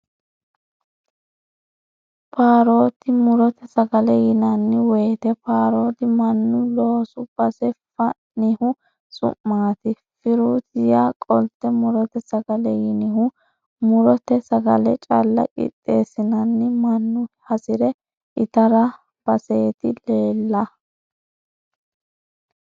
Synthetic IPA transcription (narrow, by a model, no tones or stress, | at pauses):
paːɾo̞ːt̪ɪmʊɾɔt̪ɛsɐɡɐlɛjɪnɐnːɪwɛjt̪ɛpaːɾo̞ːt̪ɪmɐnːʊlo̞ːsʊb̥ɐsɛfɐ | nɪhʊ | sʼʊ̰mːaːt̪ɪ | fɪɾuːt̪ɪjakʼɔlt̪ːɛmʊɾɔt̪ɛsɐɡɐlɛjɪnɪhʊ | mʊɾɔt̪ɛsɐɡɐ̰lɛt͡ʃʼɐ̰lːɐ̰kʼɪ̰t̪ʼːeːsɪnɐnːɪmɐnːʊhɐsɪɾɛ | ʔɪt̪ɐɾɐ | b̥ɐseːt̪ɪleːlːɐ